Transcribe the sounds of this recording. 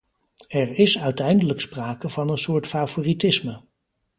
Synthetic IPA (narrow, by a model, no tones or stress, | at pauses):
ɛɹɪsœɥtɛjndələkspraːkəvɑnənsʊːɹtfavoːritɪsmə